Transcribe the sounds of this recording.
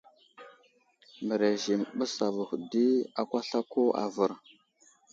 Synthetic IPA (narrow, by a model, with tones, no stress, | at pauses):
mə˨ɾe˨ʒi˨mɓə˦sa˨və˨xu˨di˦a˨kʷa˦ɬa˦ko˦a̰˨və˨ɾ